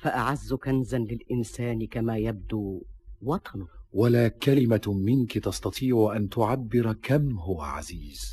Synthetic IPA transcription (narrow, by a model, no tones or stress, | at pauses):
faʔaʕazːʊkanzanlɪlʔɪnsaːnɪkamaːjab̚d̪uːwɑt̪ˤɑnʊwalaːkalɪmamɪnkɪt̪ɑst̪ɑt̪ˤiːʕʊʔant̪ʊʕabːɪɾkamhʊwa̰ʕa̰ziːz̥